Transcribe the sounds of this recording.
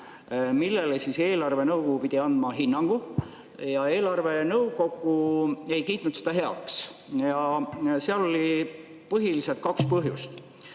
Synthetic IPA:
milːe̞lesise̞ːlɑrve̞nɤwkoɡupid̪̥ʲiɑnd̪mɑɦinːɑŋɡ̥u | jɑe̞ːlɑrve̞nɤwko̞ɡ̥ˑue̞jkijt̪ˑnut̪sed̪̥ɑɦe̞ɑ̰ksjɑseɑlo̞lʲi | pɤɦilise̞lt̪̚kɑkspɤɦjust̪

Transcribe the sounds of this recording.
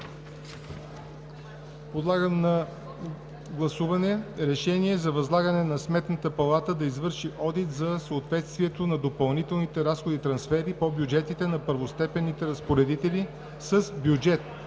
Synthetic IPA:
pod̪lˠaɡəmnɐ | ɡlˠɐsuvɐnɛɾɛʃɛniɛzɐvɐzlˠaɡənɛnɐsmɛt̪nət̪əpɐlˠat̪əd̪ɐizvɤɾʃiʔɔd̪it̪zɐsəːt̪vɛt̪st̪viɛt̪onɐd̪opɐlˠnit̪ɛlˠnit̪ɛɾasxod̪it̪ɾɐnsfɛɾipobjud͡ʒɛt̪it̪ɛnɐpəɾvost̪ɛpɛnːit̪ɛɾɐspoɾɛd̪it̪ɛli | səsbjud͡ʒɛt̪

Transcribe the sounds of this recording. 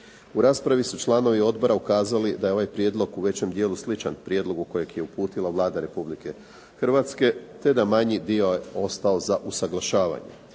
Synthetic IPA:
uɾaːspɾaʋisut͡ʃlˠaːno̞ʋio̞d̪̚bo̞ɾaukaːzalid̪ajeo̞ʋajpɾjed̪lo̞ɡuʋe̞t͡ɕe̞md̪jeːluslit͡ʃanpɾje̞d̪lo̞ɡuko̞je̞ɡje̞upuːt̪ilaʋlˠaːd̪aɾe̞publike̞ | xr̩ʋat̪ske̞t̪e̞d̪amaɲid̪io̞eo̞st̪ao̞zaʔusaɡlˠaʃaːʋa̰ɲe̞̰

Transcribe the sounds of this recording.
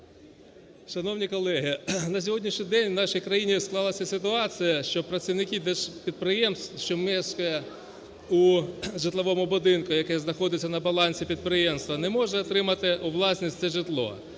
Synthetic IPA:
ʃɐnɔwnʲikɔlˠɛɦɪnɐsʲɔɦɔdʲnʲiʃnʲid̪ɛnʲwnɑʃijkɾɐjinʲisklˠɑlˠɐsʲɐsɪt̪ʊɑt͡sʲijɐʃt͡ʃɔpɾɐsʲiwnɪkʲid̪ɛʃpʲid̪̚pɾɪjɛmsʃt͡ʃɔmɛskɔjɛ | ʊʒɪt̪lˠɐʋɔmʊbʊd̪ɪnkʊjɐkɛznɐxɔd̪ɪt͡sʲːɐnɐbɐlˠɑnʲsʲipʲid̪̚pɾɪjɛmst̪ʋɐnɛmɔʒɐːt̪ɾɪmɐt̪ɪʊʋlˠɑsʲnʲisʲt͡s̪ʲɛʒɪt̪lˠɔ̰

